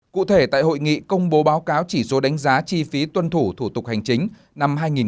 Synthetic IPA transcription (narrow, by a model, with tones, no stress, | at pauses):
kṵ˧˨t̪ʰe˧˩t̪a̰ː˧˨jɦo̰˧˨jŋḭ˧˨kə˧wŋ͡mɓo˨˦ɓaː˨˦wkaː˨˦wt͡ɕi˧˩so˨˦ɗa˨˦jŋ̟zaː˨˦t͡ɕi˧fi˨˦t̪wə˧nt̪ʰu˧˩t̪ʰu˧˩t̪ʊ˨˩k̚ha˨˩jŋ̟t͡ɕï˨˦ŋ̟ | na˧mɦaː˧jŋi˨˩n